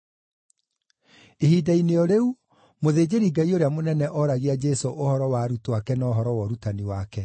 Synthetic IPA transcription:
ehiːdaineɔɾeu | moðeːd͡ʑeɾiɡaioɾeamonɛnɛʔɔɾaɣead͡ʒɛsoʔohɔɾɔwaɾutoakɛnaoɦɔɾɔwɔɾutaniwakɛ

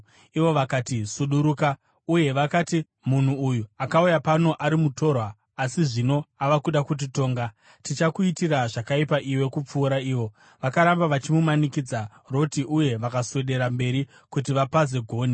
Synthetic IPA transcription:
iʋo̞ʋakaːtisuɗuɾuːka | uje̞ʋakati | mun̤uːjuakaujapano̞ʔaɾimuto̞rwaː | siʐino̞aʋakuɗakut̬ito̞ːŋɡa | tit͡ʃakuitiraʐakaipaʔiwe̞kup͡fuːɾaiːʋo̞ | ʋakaɾambaʋat͡ʃimumanikid͡za | ro̞tiʔuje̞ʋakaswe̞ɗe̞ɾambe̞ɾi | kut̬iʋapaze̞ɡʱo̞ːni

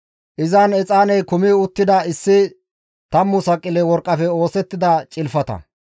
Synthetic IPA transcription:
ʔɪzɐnɛt͡sʼaːnɛjkʊmiʊt̪ːɪd̪ɐɪsːɪ | t̪ɐmːʊsɐkʼːɪlɛwɔɾkʼːɐfɛo̞ːsɛt̪ːɪd̪ɐt͡ʃʼɪlfɐt̪ɐ̰

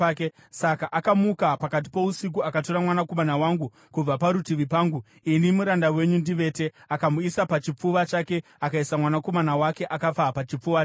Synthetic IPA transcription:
ke | sakaʔakamukapakat̬i̥po̞usik̬uakato̞ɾamwanako̞manawaŋɡu | kub͡vapaɾutiʋipaːŋɡu | inimuɾandawe̞ɲundiʋe̞te̞akamuisapat͡ʃip͡fuʋat͡ʃake̞ | akaisamwanako̞manawake̞ʔakap͡fapat͡ʃip͡fuʋa

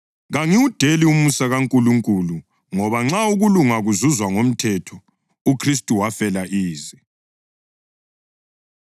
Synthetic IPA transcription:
ɣaŋiwud̥ʱeliumusaɣaŋkʼuluŋkʼulu | ŋɔβaŋ͡ǁauɣuluŋaɣuzuzwaŋom̩tʰɛtʰɔ | ukʰris̬tʼuwafɛlaʔiːzɛ

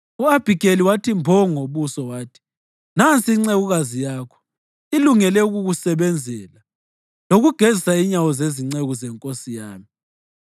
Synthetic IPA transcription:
uab̥ʱikʼeliwatʰimbʱɔŋoβusɔwaːtʰi̥ | nant͡sʼiːŋ͡ǀeɣuɣazijaːkʰɔ̥ | iluŋɛlɛuɣuɣusɛβɛnd͡zʱɛːla | loɣuɡ̥ʱezisaiɲawɔzeziŋ͡ǀeɣuzɛŋkʼosijaːmi

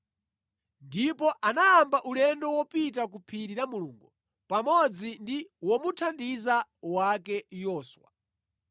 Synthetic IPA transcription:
ndipɔʔanaːmbaʔulɛndɔwɔpitakupʰiɾiɾamuluːŋɡu | pamɔd͡zindiwɔmutʰandizawakɛjɔːswa̰

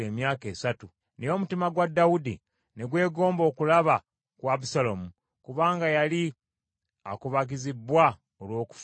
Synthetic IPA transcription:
eːmjaːke̞ːsatu | nejo̞mutimaɡwadːawudḭ | ne̞ɡwe̞ːɡo̞ːmbo̞ːkulaβa | kwaβusalomu | kuβaːŋɡajali | akuβaɡizibwa | olwo̞ːku̥f

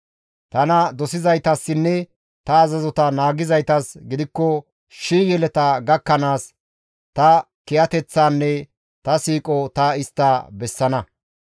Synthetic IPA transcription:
t̪ɐnɐd̪ɔsɪzɐjt̪ɐsːɪnːɛ | t̪ɐːzɐzɔt̪ɐnaːɡɪzɐjt̪ɐsɡɪd̪ɪkːɔ | ʃiːjɛlɛt̪ɐɡɐkːɐnaːs | t̪ɐ | kɪjɐt̪ɛt͡sːaːnːɛ | t̪ɐsiːkʼɔt̪ɐɪst̪ːabɛsːɐnɐ

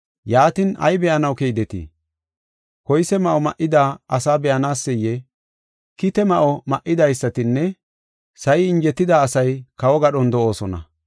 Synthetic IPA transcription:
jaːt̪ɪnɐ̰jbɛʔɐnɐwkejd̪ɛt̪ḭː | kɔjsɛmɐʔɔmɐ̰ʔɪd̪aːɐsaːbɛʔɐnaːsːɛjːɛ | kɪt̪ɛmɐʔɔmɐʔːɪd̪ɐjsːɐt̪ɪnːɛ | sɐjɪɪnd͡ʒɛt̪ːɪd̪aːsɐjkɐwɔɡɐɗɔnd̪ɔʔo̞ːsɔnɐ̰

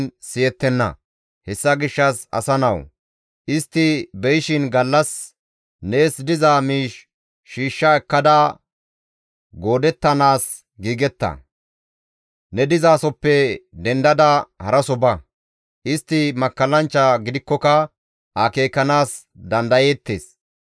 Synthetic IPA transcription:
nsɪjɛt̪ːɛnːɐ̰ | hɛsːɐɡɪʃːɐsɐ̰sɐnɐw | ʔɪst̪ːɪbɛjɪʃɪnɡɐlːɐs | ne̞ːsd̪ɪzaːmiːʃː | iːʃːɐɛkːɐd̪ɐ | ɡo̞ːd̪ɛt̪ːɐnaːs | ɡiːɡɛt̪ːɐ̰ | nɛd̪ɪzaːsɔpːɛd̪ɛnd̪ɐd̪ɐhɐɾɐsɔbɐ | ʔɪst̪ːɪmɐkːɐlɐnt͡ʃːɐɡɪd̪ɪkːɔkɐ | ʔake̞ːkːɐnaːs | d̪ɐnd̪ɐjeːt̪ːḛːs

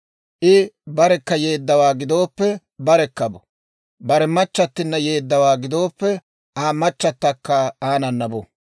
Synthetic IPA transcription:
ʔɪbɐɾɛkːɐje̞ːd̪ːɐwaːɡɪd̪o̞ːpːɛ | bɐɾɛkːɐbɔ | bɐɾɛmɐt͡ʃːɐt̪ːɪnːɐje̞ːd̪ːɐwaːɡɪd̪o̞ːpːɛ | ʔaːmɐt͡ʃːɐt̪ːɐkːɐaːnɐnːɐbɔ

